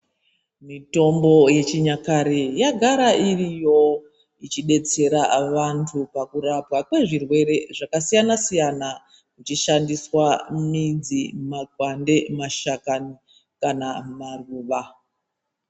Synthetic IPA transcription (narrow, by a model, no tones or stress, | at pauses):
mito̞mbo̞je̞t͡ʃiɲakaɾejaɡʱaɾaʔirijo̞ | it͡ʃiɗe̞t͡se̞ɾaʋantʰupakuɾapwakwe̞ʐirwe̞ɾe̞ʐakasijanasijana | kut͡ʃiʃandiswamid͡zimaɡʱwande̞maʃakani | kanamaruːʋa